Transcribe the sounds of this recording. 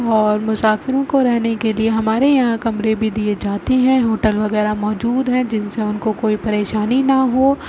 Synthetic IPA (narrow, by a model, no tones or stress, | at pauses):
ɔːɾmʊsaːfɪɾõkoɾɛɦnekelieɦɐmaːɾejɐɦãkɐmɾebʱid̪ied͡ʒaːt̪eɦɛ̃ɦoːʈəlʋɐɣɛːɾamɔːd͡ʒuːd̪ɦɛ̃d͡ʒɪnseʊnkokoːipɐɾeːʃaːninɐɦoː